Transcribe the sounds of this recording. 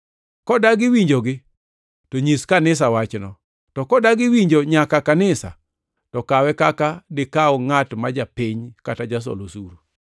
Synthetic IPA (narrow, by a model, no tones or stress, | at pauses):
kɔdaɡɪwiɲd͡ʒoɡɪ | toɲiskanɪs̬awat͡ʃnɔ | tɔkɔdaɡɪwiɲd͡ʒoɲakakanɪsa̰ | tɔkawɛkakadɪkaɔŋatmad͡ʒapiɲkatad͡ʒas̬ɔ̰losuɾu